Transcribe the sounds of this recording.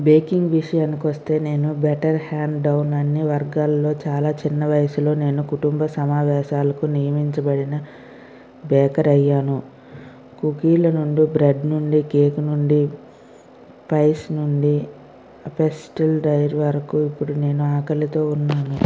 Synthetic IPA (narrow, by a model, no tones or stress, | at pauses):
beːkiŋɡʋiʂɐjaːnikʋɐst̪e̞ːne̞ːnubeʈɐɾhaːɳɖɖɐwnɐnːiʋɐɾɡaːlːo̞ːt͡ʃaːlaːt͡ʃinːɐʋɐjɐsulo̞ːne̞ːnukuʈumbɐsɐmaːʋɛːʃaːlɐkunijɐmiɲt͡ʃɐbɐɽinɐ | bɛːkɐɾɐjːaːnu | kukiːlɐnuɳɖibɾeɖnuɳɖikeːkunuɳɖi | pɐjsnuɳɖi | ɐpesʈilɖɐjɾʋɐɾɐkuipːuɽune̞ːnuaːkɐlit̪o̞ːunːaːnu